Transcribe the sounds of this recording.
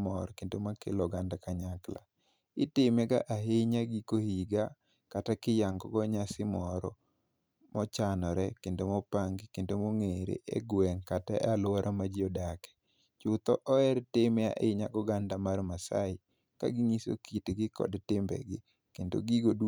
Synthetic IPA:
mɔɾkendomakḛlɔɡandakaɲakla̰ | ɪtɪmɛɡa̰ʔaɦeɲaɡikohiɡa | katakɪjaŋɡɔ̰ɡɔɲasɪmɔɾɔ | mɔt͡ʃanɔɾɛkendomɔpaŋɡɪkendomoŋeɾḛʔḛɡwɛŋkataʔalwaɾʔamad͡ʒiɔdakɛ̥ | t͡ʃʊt̪ɔʔɔɛɾtɪma̰ʔeɲaɡɔɡandamarmasa̰ɪ | ka̰ɡɪŋiso̰kitɡɪkɔ̰dtɪmbɛ̰ɡɪ | kendo̰ɡiɡod

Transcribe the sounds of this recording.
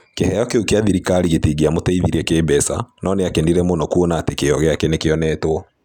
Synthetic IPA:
kehɛjɔkeukeaðiɾikaɾiɣetiɡiamotaiðiɾɛkeːbɛsa̰nɔneakendiɾɛmonɔkuonaːtekeɔɣeakɛnekeɔnɛtwɔ

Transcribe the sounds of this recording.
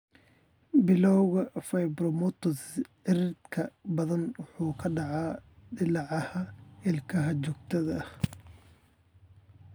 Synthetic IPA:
bɪlɔwɣɐfɐjbrɔmɔt̪ɔsɪrɪd̪kʰɐbɐðɐnwʊħuːkʰɐɖɑʕɑːɖɪlɑʕɑhɐɪlkʰɐɦɐt͡ʃɔɡ̚t̪ʰɐðɐ

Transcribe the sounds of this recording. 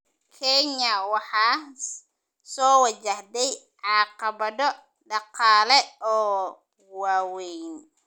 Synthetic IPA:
kʰɛnɐwɑħɑː | sɔːwɑt͡ʃɐhd̪ɛj | ʕɑːqɑβɐðɔ | ɖɑqɑːlɛɔː | waːwɛjn

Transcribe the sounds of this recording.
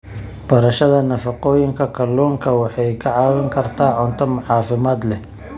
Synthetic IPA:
b̥ɐɾɐʃɐðɐnɐfɑqɔːjɪŋkʰɐkʰɐlɔːŋkʰɐwɑħɑjkʰɐʕɑːwɐŋkʰɐrt̪ʰaːʕʊnt̪ʰɐmʊħɑːfɪmaːd̪lɛ

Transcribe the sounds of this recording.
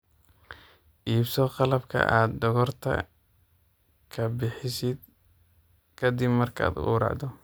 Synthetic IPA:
ʔiːbsɔqɑlɐbkʰɐ̰ʔaːd̪ːɔɣɔrt̪ʰɐ̰ | kʰɐbɪħɪsɪd̪̚ | kʰɐd̪ɪbmɐrkʰa̰ːd̪̰ʔuːɾɑ̰ʕd̪ɔ

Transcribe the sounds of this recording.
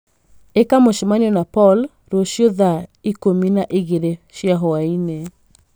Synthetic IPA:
ekamoʃmaɲɔnapɔl | ɾoʃjoðaikominaʔɪɣeɾeʃjaɦɔaine

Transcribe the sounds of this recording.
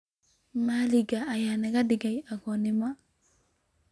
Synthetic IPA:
maliɡaːjanɛɡadɪɡajaɡɔnɪma

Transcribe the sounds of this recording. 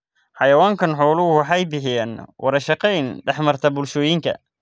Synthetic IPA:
ħɑjɐwaːŋkʰɐnħɔːlʊwɑħɑjbɪħɪjaːnwʔɐɾɐʃɐqɛjnɖɛħmɐrt̪ʰɐbʊlʃɔːjɪŋkʰɐ̰

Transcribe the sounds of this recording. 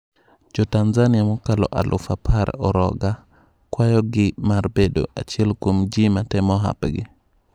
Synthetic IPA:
d͡ʒɔtanzaniamɔkalɔ̰ʔa̰lʔṵfapʰaɾ̰ɔɾɔɡa | kwajɔɡimaɾbedo̰ʔa̰t͡ʃilkumd͡ʒimatɛmɔɦa̰pɡḭ

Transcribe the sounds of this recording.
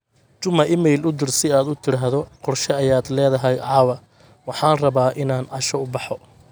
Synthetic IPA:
t͡ʃʊmɐʔɪmɛjlʊd̪ɪrsɪaːd̪ʊt̪ʰɪɽaːɦðɔqɔrʃɛɐjaːd̪lɛːðɐɦɛjʕɑːwɐ | wɑħɑːnrɐβaːʔɪnaːnʕɑʃɔʊbɑħɔ

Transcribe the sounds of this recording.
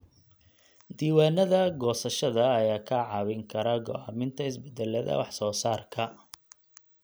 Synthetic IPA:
d̪iːwaːnɐðɐɡɔːsɐʃɐðɐːjaːkʰɐʕɑwɪŋkʰɐɾɐɡɔ̰aːmɪnt̪ʰɐɪs̬bɛd̪ɛlɐðɐ̰wɑħsɔːsaːrkʰɐ

